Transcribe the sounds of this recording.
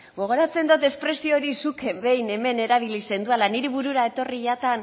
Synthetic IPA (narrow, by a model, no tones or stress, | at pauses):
ɡo̞ɣ̞o̞ɾat͡se̞nd̪ot̪e̞spɾe̞sio̞ɾisukembe̞jne̞me̞ne̞ɾaβilise̞nd̪ualaniɾeβuɾuɾae̞t̪o̞riʝat̪an